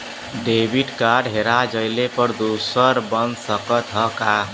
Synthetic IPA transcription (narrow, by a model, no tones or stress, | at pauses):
ɖebiʈkaɾɖɦeɾad͡ʒəjlepəɾd̪osəɾbənsəkət̪ɦʌka